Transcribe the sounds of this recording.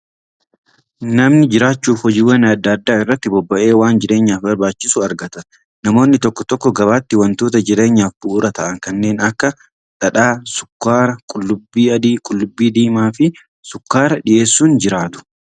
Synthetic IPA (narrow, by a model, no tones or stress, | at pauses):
nɐmnɪd͡ʒɪɾaːt͡ʃːuːfhɔd͡ʒiːwːɐnɐd̪ːaːd̪ːaːɪrːɐt̪ːɪbɔbːɐʔe̞ːwaːnd͡ʒɪɾe̞ːɲːaːfbɐɾbaːt͡ʃːɪsʊɐɾɡɐt̪ɐ | nɐmo̞ːnːɪt̪ɔkːɔt̪ɔkːɔɡɐβaːt̪ːɪwɐnt̪oːt̪ɐd͡ʒɪɾe̞ːɲːaːfbʊʔʊɾɐt̪ɐʔɐŋkɐnːe̞ːnɐkːɐ | ᶑ̪ɐᶑaːsʊ̥kːaːɾɐkʼʊlːʊbːiːɐd̪iːkʼʊlːʊbːiːd̪iːmaːfɪ | sʊkːaːɾɐᶑɪʔe̞ːsːuːnd͡ʒɪɾaːt̪ʊ̥